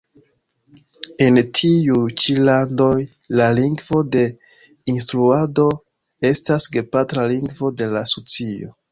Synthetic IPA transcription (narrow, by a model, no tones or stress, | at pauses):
e̞ntʰijut͡ʃilando̞j | laliŋɡvo̞de̞ | instɾuado̞ | e̞stasɡe̞patɾaliŋɡvo̞de̞lasot͡sio̞̰